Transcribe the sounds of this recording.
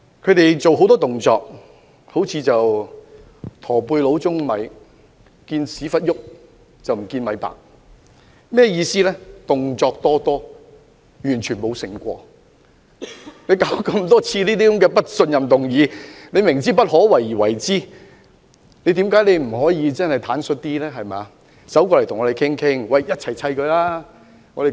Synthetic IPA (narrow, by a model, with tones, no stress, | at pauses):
kʰɵ˨˧ɥt̪e˨jt͡so˨wɦo˨˥wt̪ɔː˥t̪ʊ˨ŋt͡sɔ̰ː˧k̚ | ho˨˥wt͡sʰiː˧t͡sɐ˨w | t̪ʰɔː˨˩puː˧jlo˨˥wt͡sʊ˥ŋmɐ̰˨˧j | kiː˧nsiː˨˥fɐ˥t̚jʊ˥k̚ | t͡sɐ˨wm̩˨˩kiː˧nmɐ˨˧˥jpa̰ː˨˩k̚ | mɛː˥˩jiː˧siː˥lɛː˥t̪ʊ˨ŋt͡sɔː˧k̚t̪ɔː˥t̪ɔː˥ | jyː˨˩nt͡ʃʰyː˨˩nmo˨˧wsɪ˨˩ŋkʷɔ̰ː˧ | ne˨˧jkaː˨˥wkɐ˧mt̪ɔː˥t͡sʰiː˧liː˥t̪i˥˩ʊ˨˦mkɛː˧pɐ˥t̚sɵ˧njɐ˨mt̪ʊ˨ŋjiː˨˧ne˨˧jmɪ˨˩ŋt͡siː˥pɐ˥t̚ɦɔː˨˥wɐ˨˩jwɐ˨˩jt͡siː˥ | ne˧jt̪iː˨˥mkaː˨˥jne˧jm̩˨˩hɔː˨˥jiː˨˧t͡sɐ˥nhɐ˨jt̪ʰaː˨˥nsɵ˧t̚t̪iː˥lɛː˥ɦɐ˨jmɛː˨ | sɐ˨˥wkɔː˧lɐ˨˩jt̪ʰŋɔː˨˧e˨˩jkʰɪ˥ŋkʰɪ˥ŋwɐ˨jjɐ˥t̚t͡sʰɐ˨˩jt͡sʰɐ˧jkɵ˧laː˥ | ŋɔː˨˧de˨